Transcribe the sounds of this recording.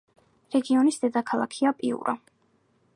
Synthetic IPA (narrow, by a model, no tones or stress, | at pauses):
ɾɛɡiɔnisd̪̥ɛd̪akʰalˠa̰kʰiapʼiṵɾʔɔ̰